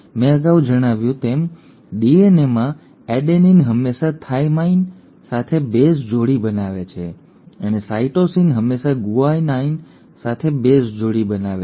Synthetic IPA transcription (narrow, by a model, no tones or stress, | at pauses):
mẽəɡaʋd͡ʒəɽ̃aʋjũt̪em | ɖienemã | ɛɖeninɦəmːeʃat̪ʰaimain | sat̪ʰebesd͡ʒoɽibənaʋet͡ʃʰe | ənesaiʈosinɦəmːeʃaɡuainain | sat̪ʰebesd͡ʒoɽibənaʋe